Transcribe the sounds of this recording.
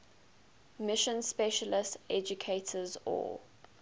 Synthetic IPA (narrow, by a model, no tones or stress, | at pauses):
mɪʃə̃nspɛʃəlɪstɛd͡ʒukʰeɪtʰəzɔ̰